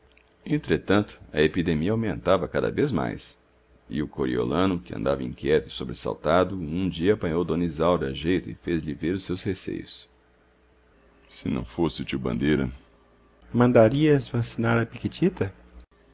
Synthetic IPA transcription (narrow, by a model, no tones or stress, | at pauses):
ẽnt̪ɾet̪ɐ̃nt̪ʊ̥ɐepid̪emiɐawmẽnt̪avɐkad̪ɐ̰vezma̰js | ɪ̰ʊkoɾḭo̰lɐ̃nʊkɪɐ̰̃nd̪avɐĩŋkʲjɛt̪ʊɪsobɾesa̰wt̪ad̪ʊũd͡ʒiɐːpɐ̃ɲowd̪õnizawɾɐɐʒejt̪ʊɪfezliveɾʊsewshesḛjʊs | sɪnɐ̰̃w̃fosɪʊt͡ʃiwbɐ̰̃nd̪eɾɐ̰ | mɐ̃nd̪aɾiɐzvɐsinaɾɐpikit͡ʃit̪ɐ